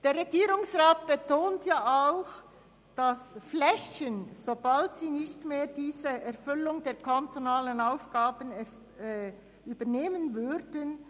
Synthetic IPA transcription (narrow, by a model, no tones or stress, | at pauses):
d̥eːɾʁeɡiːɾʊŋsʁaːt̚b̥ətʰoːntjaːaʊx | d̥asflɛçənz̥obaltsiːnɪçtmeːdiːzəɛɾfʏlʊŋdeːɐkʰantonaːlənaʊfɡ̥aːbənɛ | yːbəneːmənvʏɾdən